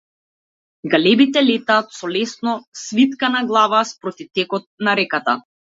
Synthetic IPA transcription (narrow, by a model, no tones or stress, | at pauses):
ɡalɛbit̪ɛlɛt̪aːt̪sɔlɛsnɔsvit̪kanaɡlˠavaspɾɔt̪ift̪ɛkɔt̪̚naɾɛkat̪a̰